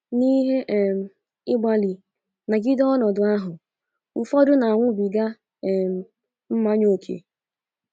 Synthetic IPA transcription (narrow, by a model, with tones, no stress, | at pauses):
ni˦ɦe˦ʔm˨ | ɪ˦ɡ͡ba˦li˨ | na˨ɡi˦dɔ˦nɔ˨dʊ˨a˦ɦʊ˨ | u˨fɔ˦dʊ˦na˨a˨ŋʷʊ˦bi˨ɡa˦˨ | m˨ | m̩˦ma˦ɲo˦˨kʰḛ˨